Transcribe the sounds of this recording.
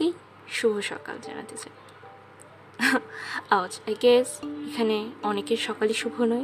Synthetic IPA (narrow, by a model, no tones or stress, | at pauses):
i | ʃubʱoʃɔ̰ka̰ld͡ʑa̰na̰t̪et͡ɕʰa | awd͡ʑajɡesekʰaneɔnekeʃɔkaliʃubʱonoj